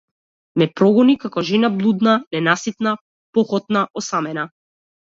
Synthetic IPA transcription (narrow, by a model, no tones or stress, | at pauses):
mɛpɾɔɡɔnikakɔʒɛnablˠud̪nanɛnasit̪na | pɔxɔt̪̚naʔɔsamɛna